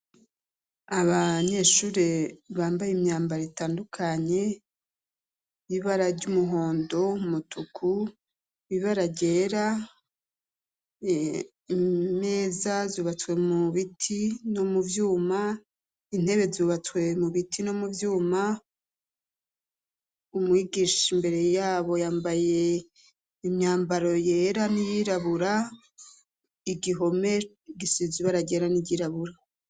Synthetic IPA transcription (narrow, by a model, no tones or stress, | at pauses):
aβaɲe̞ʃuːɾe̞βaːmbajimɲaːmbaɾetaːndukʰaɲe̞ | βiβaɾaɾɟumuɦo̞ːndo̞mutukʰu | βiβaɾaɟe̞ːɾa | me̞ːzazuːβat͡swe̞muβitʰino̞muvjuːma | in̥he̞βe̞zuːβat͡swe̞muβitʰino̞muvjuːma | umwiɡiʃimbe̞ɾe̞jaːβo̞jaːmbaje̞ | imɲaːmbaɾo̞je̞ɾanijiɾaβuɾa | iɡiɦo̞me̞ | iɡisiiziβaɾaɟe̞ːɾaniɟiɾaβuɾa